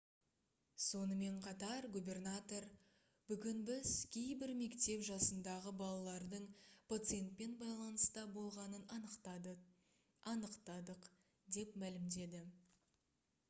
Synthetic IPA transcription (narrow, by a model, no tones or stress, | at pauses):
so̞nəme̞ɴqʰɑt̪ɑɾɡubʲe̞rnat̪o̞r | bʏɡʲɪnbɪzkʲʰe̞jbɪɾme̞kt̪e̞pʒɑsənd̪ɑʁəbɑlˠɑlˠɑɾd̪əɴpʰat̪sɨje̞nt̪̚pe̞nbɑjlˠɑnəst̪ɑbo̞lˠʁɑnən | ɑnəqt̪ɑd̪əq | d̪e̞pmælɪmd̪e̞d̪ɪ